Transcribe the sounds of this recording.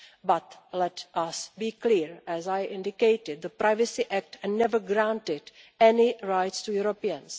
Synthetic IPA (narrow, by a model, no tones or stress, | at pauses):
batlɛtʔasbiːkliːɹɛzajʔɪ̃ndɪkejtɪd̚ðəpɾʔajvəsɪʔæk̚tnɛvəɡɾãntɪd | ɛnɪɹajtstujuɾopiə̃ns